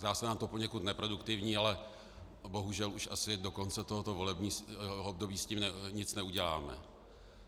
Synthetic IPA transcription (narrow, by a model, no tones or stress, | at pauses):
zdaːsɛnaːmt̪o̞poɲɛkut̪nɛpɾo̞dukt̪ɪvɲiːalɛ | bo̞ɦuʒɛluʃʔasɪdo̞ko̞nt͡sɛt̪oɦot̪o̞vo̞lɛbɲiːob̚do̞biːsciːmnɛɲɪt͡snɛuɟɛla̰ːmɛ̰